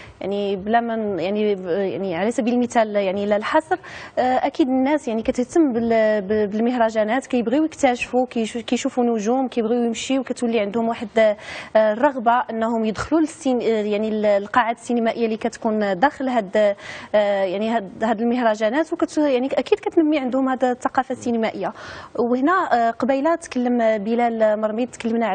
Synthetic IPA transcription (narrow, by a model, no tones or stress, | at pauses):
jaʕniblæmæjaʕnija̰ʕniʕalæsæbilmət̪æljaʕniləlħɑsˤɾʔækid̪ənːæsjaʕnikæt̪əht̪əmːbəlbbəlməhɾˤɑʒænæt̪kæjəbɣiwjəkt̪æʃfukkæjʃufunʊʒumkæjbɣiwjəmʃiwkæt̪wəlːiʕənd̪hʊmwaħəd̪ | rˤːɑɣbaʔənːhʊmjəd̪xlulsjaʕnillqɑʕad̪sːinəmæʔəjːalikæt̪kund̪æxəlɦæd̪ | jaʕnihæd̪əlməhɾˤɑʒænæt̪wkæt̪jaʕniʔækid̪kæt̪nəmːiʕənd̪hʊmhæd̪t̪ːɑqɑfasːinəmæʔəjːawəhnæqɑbæjlæt̪kəlːəmbəlælmɑɾˤmid̪̚t̪kəlːəmnaʕ